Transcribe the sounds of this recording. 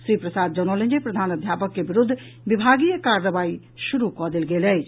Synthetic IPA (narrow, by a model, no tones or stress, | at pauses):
ʃɾiːpɾəsaːd̪̚d͡ʒənoːlə̃ɲd͡ʒepɾəd̪ʱaːnəd̪ʱjaːpəkːebɪɾʊd̪ʱː | ʋɪbʱaːɡijəkaːɾəbaːi | ʃʊɾukɔd̪elɡeːlɛː